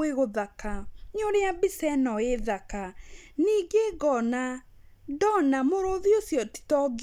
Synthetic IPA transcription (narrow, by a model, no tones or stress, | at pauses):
eɣoðakaɲoɾeabisɛnɔeðakaniːɡeɡɔna | dɔnamoɾoðiosjɔti̥tɔɡ